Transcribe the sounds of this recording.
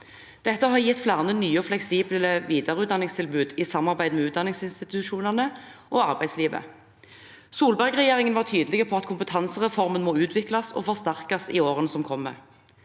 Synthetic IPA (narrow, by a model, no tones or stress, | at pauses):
d̪̥ɛt̪ːəɦɑʁjɪt̪ːflæːʁɑnənyːəɔflɛksiːbləʋiːd̪ɑʁəʉːt̪d̪ɑnɪŋst̪ʰɪlbʉːd̪isɑmːɑʁbæɪd̪meːʉːt̪d̪ɑnɪŋsɪnst̪ɪt̪ʉʃuːnəʁnəʔoːɑʁbæɪsliːʋə̰ | suːlbæʁɡʁɛjeːʁɪŋənʋɑːʁʈ̪ʰyːd̪əlɪɡəpʰɔɑt̪kʰʊmpət̪ʰɑnsəʁɛfɔʁmənmoːʉːt̪ʰʋɪklɑsɔ̰ːfɔʁst̪æʁkɑsɪ̰oːʁənəsɔmkʰɔmːə̰